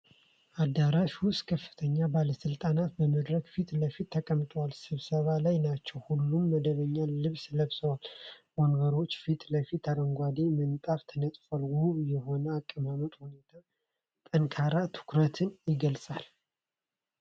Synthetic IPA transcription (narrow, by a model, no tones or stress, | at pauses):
ʔad̪ːaɾaʃwʊst̪kʰəfːɨ̥t̪ʰəɲːabaləsɨlt̪ʼanat̪̚bəməd̪ɾəɡfit̪ləfit̪ʰːəkʼəmt̪ʼəwalsɨβsəβalajnat͡ʃːɛwhulːumːəd̪əβəɲːaːɨβsləβsəwalmoŋɡəɾo̞t͡ʃːfit̪ləfit̪ːaɾəŋɡʷad̪emənt̪ʼaft̪ʰənət̪ʼfalɡujɛho̞nəakʼːəmamət̪ʼhune̞t̪ʰa | t̪ʼənkʰaɾat̪ʰɨ̥kɾət̪ʰɨnjɪɡəlsʼal